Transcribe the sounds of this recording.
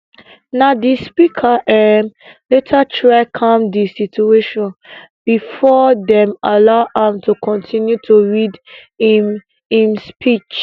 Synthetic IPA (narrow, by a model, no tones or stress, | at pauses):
nadispikʰaʔɛmletʰatʰɹaɪkʰãmdisitueʃɔ̃n | b̥ifɔdɛ̃malaʊʔãmtʰukʰɔ̃ntʰĩnjutʰuɹid | im | ĩmspʰit͡ʃ